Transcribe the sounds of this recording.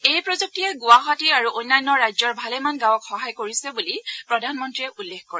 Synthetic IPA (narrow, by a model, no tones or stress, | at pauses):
ejpɹɔzuk̚tijɛɡʊwaɦɔtiɹaɹuʔojnːajnːɔɹajzɔɹbʱalɛmanɡãwɔkxɔɦajkoɹisɛbulipɹɔdʱanmɔntɹiɛʔulːekkɔɹɛ